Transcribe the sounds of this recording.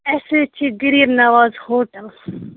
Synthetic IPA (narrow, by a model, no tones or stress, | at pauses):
eset͡ʃʰiɡiɾiɾnɐʋaːzhoːʈɐl